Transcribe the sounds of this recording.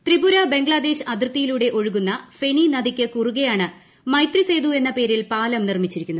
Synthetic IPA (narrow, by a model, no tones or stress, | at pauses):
t̪ribuɾɐbe̞ŋɡɭɐd̪e̞ɕɐd̪rt̪ːijiluːɽe̞ʔo̞ɻuɣunːɐfe̞ɳinɐðikʲːɨkuruɣɐjaːɳɨ | mɐjt̪rise̞jd̪ue̞nːɐpe̞ːɾilpaːlɐmnirmit͡ɕːiɾikʲːunː